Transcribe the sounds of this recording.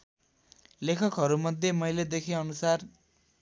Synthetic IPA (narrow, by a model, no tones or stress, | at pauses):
lekʰʌkɦʌɾumʌd̪ʱjemʌjled̪ekʰiʌnusar